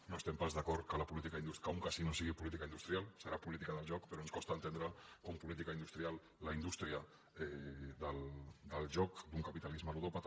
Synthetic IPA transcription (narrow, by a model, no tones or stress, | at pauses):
noest̪empazðakɔɾkalapulit̪ikaind̪ustkauŋkasinosiɣipulit̪̬ikaind̪ust̪ɾijalsəɾapulit̪ikaðəlʒɔkpeɾonskost̪ant̪end̪ɾakompulit̪̬ikaind̪ust̪ɾialːaind̪ust̪ɾia | eðəld̪əlʒɔkd̪uŋkapit̪alizmaluwɾopat̪